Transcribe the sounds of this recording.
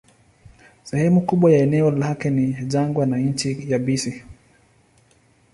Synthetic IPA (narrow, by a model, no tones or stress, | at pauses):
sɛhɛmukuɓwajaɛnɛɔlakɛniʄaŋɡwanaɲ̩t͡ʃijabisi